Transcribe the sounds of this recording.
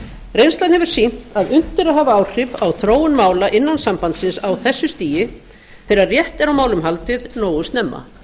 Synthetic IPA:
rejnst̪lanhɛvʏɾ̥sin̥t̪aðʏn̥t̪ɪɾaðɦhaːvaaːwr̥ɪvawθɾoːwʏnmaːwlaʔɪnːansampant̪sɪnsawθɛsːʏst̪iːjɪ | θɛɾarjɛht̪ɛɾawmaːwlʏmɦalt̪ɪðnoːwʏst̪nɛmːa̰

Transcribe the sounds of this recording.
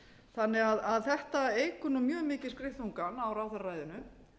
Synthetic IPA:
θanːɪɣaðaðθɛht̪aeːjkʏnʏmjœːmɪːcɪ̥skɾɪht̪uŋkanawɾawθaɾraːjðɪnʏ

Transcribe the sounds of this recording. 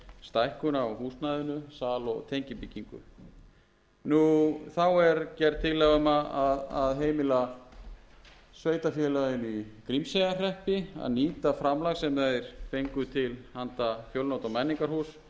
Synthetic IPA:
st̪ajhkʏnawhuːsnajðʏnʏsaːlɔ̰t̪ʰejɲcɪpiciŋkʏ̰ | nuθawɛɾcɛɾt̪ʰɪlːɛɣʏmaaðaðɦeːjmɪla | sveːjt̪afjɛːlaɣɪnikɾimsejɣar̥ɛhpɪa̰ðniːt̪afɾamlaɣsɛmɛɾ̥fejŋkʏt̪ʰɪlhant̪afjowlnowt̪awmɛnːiŋkaɾ̥huːs

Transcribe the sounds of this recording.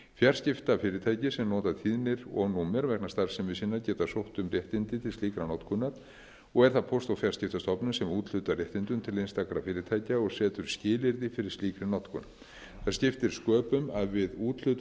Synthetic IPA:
fjar̥scɪft̪afɪːɾɪt̪ʰaːjcɪsɛmnɔːt̪at̪ʰiːðnɪɾɔ̰ɣnuːmɛɾvɛknḁst̪aɾ̥sɛmɪsɪnːaɾcɛːt̪asowht̪ʏmrjɛht̪ɪnt̪ɪt̪ʰɪlst̪iːkɾanɔwt̪kʰʏnːaɾ | ɔɣɛɾ̥θaðpʰost̪awfjarscɪft̪ast̪ɔpnʏmsɛmuːt̪l̥ʏt̪arjɛht̪ɪnt̪ʏmt̪ʰɪlejnst̪akɾafɪːɾɪt̪ʰaːjcaɔɣsɛːt̪ʏɾ̥scɪːlɪɾðɪfɪɾɪɾ̥st̪iːkɾɪnɔwt̪kʰʏna | θascɪft̪ɪɾ̥skœːpʏmaðvɪðuːt̪l̥ʏt̪

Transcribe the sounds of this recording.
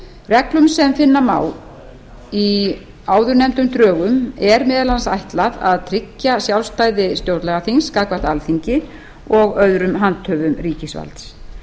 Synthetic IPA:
rɛklʏmsɛmfɪnːama̰ːw | i | aːwðʏɾnɛmt̪ʏmt̪ɾœːɣʏmɛɾmɛːðɛlansa̰jht̪laða̰ðt̪ʰɾɪcːasjawlst̪aːjðɪst̪jowɾt̪lɛɣaθinskaːkvaht̪alθiɲcɪ | ɔɣœðɾʏmɦant̪ʰœːvʏmriːcɪsva̰lt̪s

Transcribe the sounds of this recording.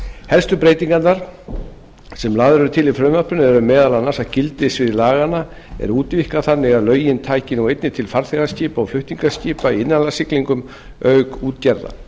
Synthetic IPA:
hɛlst̪ʏpɾeːjt̪iŋkannaɾ̥ | sɛmlaːðʏɾʏt̪ʰɪlɪfɾœmapʏnʏɛɾʏmːɛːðalanːḁsacɪlt̪ɪsvɪðɪlaːɣanːa | ɛ̰ɾuːt̪vihkaθanːɪɣaðlœːɥjɪnt̪ʰaːjcɪnuwejt̪nɪt̪ʰɪlfaɾθɛɣasciːpaɔflʏht̪iŋkasciːpaiɪnːanlasɪkliŋkʏm | œɥkuːt̪cɛɾða̰

